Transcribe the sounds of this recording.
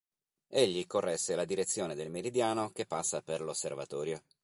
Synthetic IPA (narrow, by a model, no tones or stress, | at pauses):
eʎːikorːɛsːelad̪iɾet̪sːjoːned̪elmeɾid̪jaːnokepːasːaperlosːervat̪ɔːɾjo